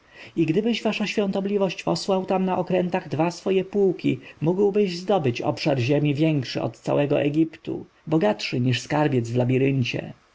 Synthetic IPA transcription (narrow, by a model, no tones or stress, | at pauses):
iɡd̪ɘbɘɕvaʂaɕfʲjɔ̃nt̪ɔblʲivɔɕt͡ɕpɔswawt̪amnaʔɔkɾɛnt̪aɣd̪vasfɔjɛpuwkʲimuɡwbɘʑzd̪ɔbɘt͡ɕɔ̰pʂaɾʑemʲivʲjɛŋkʂɘ̰ʔɔ̰t̪t̪sa̰wɛɡɔ̰ʔɛɡʲipt̪ṵ | bɔɡatʂɘɲiʂskaɾbʲjɛd̪zvlabʲiɾɘɲt͡ɕɛ̰